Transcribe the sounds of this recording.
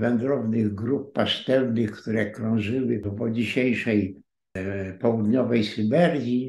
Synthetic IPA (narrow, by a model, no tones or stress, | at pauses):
vɛnd̪ɾɔvnɪɣɡɾup̚ːast̪ɛɾnɘxkt̪uɾɛkɾɔ̃ʐɘwɘpɔd͡ʑiɕejʂɛj | pɔwud̪ɲɔvɛjsubɛɾɡʲji